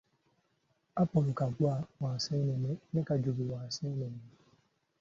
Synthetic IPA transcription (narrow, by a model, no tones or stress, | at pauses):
apɔlokaɡ͡bʊawãsɛ̃nɛnenɛkad͡ʒobiwãsɛnɛne